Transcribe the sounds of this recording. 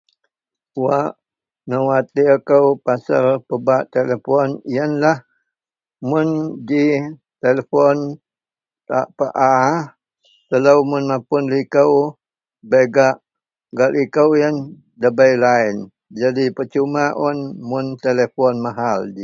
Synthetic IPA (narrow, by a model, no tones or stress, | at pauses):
uaʔ | nəwat̪ikəwpasə̰lpəbaʔt̪elefɔnijənlah | mʊndi | t̪eləfɔn | t̪a̰ʔpəʔa | t̪ələwmʊnmapʊnlikəw | beɡaʔ | ɡaʔlikəwjən | dəbəjlaɪn | d͡ʒadipət͡ʃumaʔɔnmʊnt̪elefɔnmaɦaldi